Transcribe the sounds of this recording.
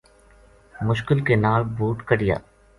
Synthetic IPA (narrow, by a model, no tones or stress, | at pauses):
mʊʃkɪlkenaːɭbʱuːʈkəɽɪja̰ː